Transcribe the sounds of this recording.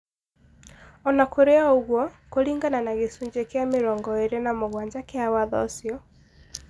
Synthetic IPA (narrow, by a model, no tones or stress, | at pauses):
ɔnakoɾeaoɣwɔkoɾiːŋɡananaɣesuɲd͡ʒekjameɾɔːŋɡɔeɾenamoɣwaɲd͡ʒakeawaðɔ̰sjɔ